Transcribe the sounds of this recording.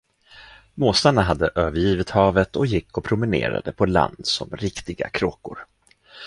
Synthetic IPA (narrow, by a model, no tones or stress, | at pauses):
moːsaɳaɦad̪ːəʔøːvəɾjiːvɪt̪hɑːvət̪ɔjɪkːɔpʰɾʊmɪnḛːɾa̰d̪əpʰɔla̰nd̪sɔ̰mɾɪkt̪ɪɡa̰kʰɾoːkʊɾ